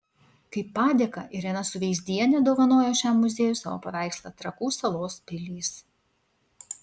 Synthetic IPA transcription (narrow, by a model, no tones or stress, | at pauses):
kɐɪpːɑːd̪ʲeːkɐʔɪɾjɛnɐsʊʋʲɛɪzʲd̪ʲiɛnʲɛd̪oːʋɐnoːjoːʃʲæːmːʊzʲeːjʊsɑːʋo̰ːpɐʋʲæˑɪkslˠɐt̪ɾɐkuːsɐlˠoːspʲɪlʲiːs